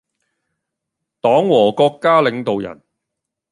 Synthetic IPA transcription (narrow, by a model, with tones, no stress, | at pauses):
t̪ɔː˨˥ŋwɔː˨˩kɔː˧kːaː˥lɪ˨˧ŋt̪o˨wjɐ̰˨˩n